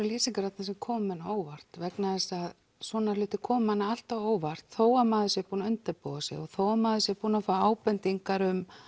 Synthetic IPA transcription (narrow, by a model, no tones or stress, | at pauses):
leːsiŋkaɾat̪nasɛmkʰɔːmɪnaoːwvar̥t̪vɛknaðɛsað | swɔːnalʏːht̪ɪ̥kʰɔːmanːaal̥t̪awoːwvar̥t̪θoːwamaːðʏsjɛpuːnaʏnt̪ɪɾpoðasɛ̰ɣɔɣθowamaːðʏsjɛpuːnafaaːwpɛnt̪iŋkaɾʏm